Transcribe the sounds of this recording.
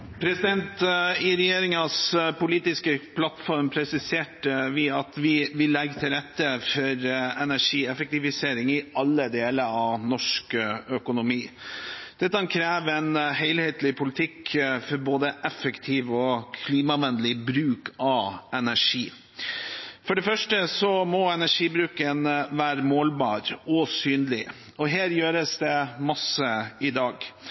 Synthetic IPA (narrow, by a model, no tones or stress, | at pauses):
pʰɾɛsɪd̪ɛnt̪ɪɾɛjeːɾɪŋɑspʊliːt̪ɪskəpʰlɑt̪fɔɾmpʰɾɛsɪseːʈəʋɪɑt̪ʋɪʋɪlɛɡt̪ʰɪlɾɛt̪ːəfɔɾɛnæʂiːɛfɛk̚t̪ɪʋɪseːɾɪŋɪɑlːəd̪eːləɾɑʋnɔʂkœkʊnʊmiːd̪̥ɛt̪ːəɑnkʰɾeːʋɛnɦɛɪlheːt̪lɪpʰʊlɪt̪ʰɪkfɔɾboːd̪əʔɛfəkt̪ʰiːʋɔkʰliːmɑʋɛnd̪lɪbɾʉːkʰɑɛnæʂiː | fɔɖɛfœʂʈəsɔmɔɛnæʂiːbɾʉːkənʋæːɾəmoːlbɑːɾɔsyːnlɪ | ɔɦeːɾjøːɾəsd̪ɛmɑsəɪd̪ɑːɡ